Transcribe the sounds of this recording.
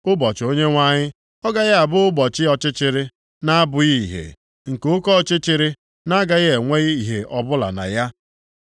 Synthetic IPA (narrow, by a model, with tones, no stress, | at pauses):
ʊ˦bɔ˨t͡ʃo˦ɲe˦ŋʷa˦ɲɪ˦ | ɔ˦ɡa˦ɣɪ˦a˨bʊ˦ʊ˦bɔ˨t͡ʃɪ˦ɔ˨t͡ʃɪ˦t͡ʃɪ˨ɾɪ˦ | na˦a˦bʊ˨ɣi˦˨ɦḛ˨ | ŋ̩˨kʊ˦kɔ˦t͡ʃɪ˦t͡ʃɪ˦ɾɪ˦ | na˦ɡa˨ɣe˨ŋʷe˦i˨ɦe˨ʔɔ˨bʊ˦la̰˨na̰˨ja˦